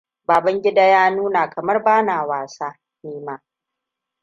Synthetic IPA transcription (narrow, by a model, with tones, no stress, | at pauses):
baː˨bɐ˦ŋɡʲɪ˦da˦jaː˦nuː˦naː˨kɐ˨mɐ˦rbaː˦naː˨waː˨saː˦ | niː˦maː˦